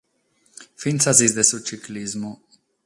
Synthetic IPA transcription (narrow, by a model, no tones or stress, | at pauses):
finsazizd̪esut͡ʃiklizmu